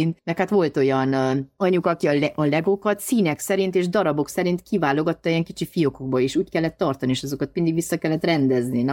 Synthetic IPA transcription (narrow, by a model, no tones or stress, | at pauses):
int̪nɛkhat̪ʋo̞lt̪o̞jɒnɒɲukɒkiɒlɛʔɒlɛɡo̞kɒt̪siːnɛksɛɾint̪eːʒd̪ɒɾɒbo̞ksɛɾint̪kivaːlo̞ɡɒt̪ːɒijɛŋkit͡ʃifijo̞ko̞ɡ̚bɒeːʃuːckɛlːɛt̪ːɒrt̪ɒnieːʃɒzo̞kɒt̪̚mind̪iɡʋisːɒkɛlːɛt̪rɛnd̪ɛznin